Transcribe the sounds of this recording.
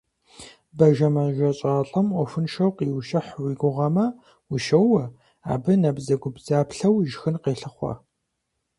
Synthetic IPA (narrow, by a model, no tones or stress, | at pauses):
bɐʒɐmɐʒʷɐɕʼaːɬʼɐmɔfɨnʃɐwqiːwʃɐħwiːɡʷʊʁɐmɐ | wʊʃɐwɐ | a̰ːbɨnɐbzɐɡʷʊbzaːpɬɐwʒxɨnqeːɬɨχʷɔ̰